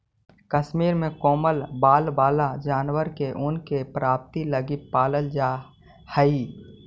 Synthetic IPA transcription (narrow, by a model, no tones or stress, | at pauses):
kəʃmiːɾmẽkoːməlbaːlbaːlad͡ʒaːnwəɾkeʔʊnkepɾaːp̚t̪iləɡipaːləld͡ʒaː | həi